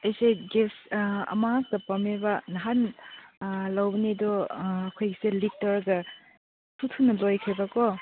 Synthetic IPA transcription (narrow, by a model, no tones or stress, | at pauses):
ɐjseɡesɐ̰mak̚tɐpɐmebɐnɐɦan | lawbɐnidɔːkʰojkselitːɐɾɡɐ | tʰutʰunɐlojkʰebɐkɔ